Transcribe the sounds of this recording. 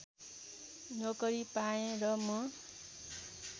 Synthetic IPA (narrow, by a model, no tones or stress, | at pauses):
nʌkʌɾipaẽrʌmʌ